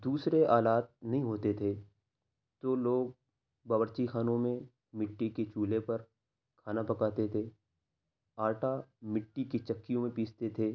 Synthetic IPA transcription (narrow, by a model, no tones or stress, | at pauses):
d̪uːsɾeaːlaːt̪̚nɐɦĩɦoːt̪et̪ʰe | t̪oloːɡ̚ | bɐbəɾt͡ʃixaːnõmẽ | mɪʈːiket͡ʃuːlepɐɾ | kʰaːnapɐkaːt̪et̪ʰeː | aːʈamɪʈːikit͡ʃɐkːijõmẽpiːt͡ʃt̪et̪ʰeː